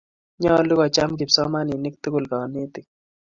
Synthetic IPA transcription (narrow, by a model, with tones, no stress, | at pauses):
ɲɔ˦˨lʊ˦kɔ˨t͡ʃa˦mk̬ɪ˨psɔ˦ma˦ni˨nɪ˦k̚t̪ʊ˦kʊ˨lka˨ne˦t̪ɪ˨k̚